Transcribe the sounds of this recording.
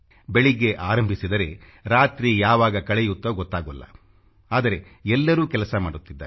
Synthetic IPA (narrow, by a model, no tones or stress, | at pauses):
beɭiɡe̞ʔaːɾɐmbʱisid̪ɐɾe̞ | ɾaːt̪ɾijaːʋaːɡɐkɐɭejut̪ːoːɡɔt̪ːaːɡɐlːɐ̰ | aːd̪ɐɾe̞ | ɛlːɐɾuːkɛlɐsɐmaːɽut̪ːid̪ːaː